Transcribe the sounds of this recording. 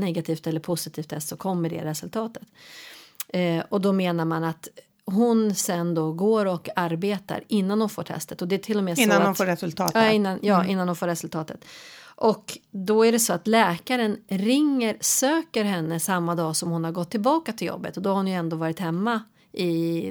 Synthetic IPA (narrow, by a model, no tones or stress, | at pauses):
nɛɡat̪ʰiːft̪ɛlːəɾpʰʊsɪt̪ʰiːft̪ʰɛst̪sɔkʰɔmːəɖɛ̰ɾɛsɵlt̪ʰɑːt̪ə̥t̪ | ɔd̪ɔmeːnaɾmanat̪ | ɦʊnsɛnd̪ɔɡoːɾɔkaɾbeːt̪a̰ɾɪnːanhʊnfo̰ːʈʰɛ̰st̪ət̪ɔd̪ɛt̪ʰɪlːɔmɛːsaʊnfoːɾɛsɵlt̪ʰɑ̰ːɪnːanjɑːʔɪnːanhʊnfoːɾɛsɵlt̪ʰɑːt̪ət̪ʔɔkd̪ɔæɖɛsɔat̪lɛːkaɾənɾɪŋːəɾsøːkəɾɦɛnːəsamːad̪ɑːsɔmhʊnhaɾɡɔt̪ʰːɪlbɑːkat̪ʰɪljɔ̰bːə̰t̪ɔd̪ɔhaɾhʊnjɵɛnd̪oːvɑːɾɪt̪hɛmːa | ʔɪ